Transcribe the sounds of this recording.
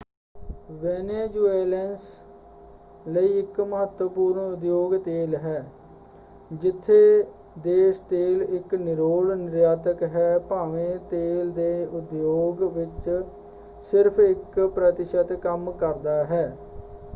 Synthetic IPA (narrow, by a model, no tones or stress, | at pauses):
ʋɛːneːd͡ʒuːeːlɛns | ləiːɪkməɦət̪wəpuːɾɳʊd̪joːɡt̪eːlɦɛː | d͡ʒɪt̪ʰːeː | d̪eːst̪eːlɪknɪɾoːlnɪɾjaːt̪əkɦɛːpaːʋẽːt̪eːld̪eːʊd̪joːɡʋɪt͡ʃ | sɪɾpʰɪkpɾət̪ɪʃət̪kəmkəɾd̪aːɦɛː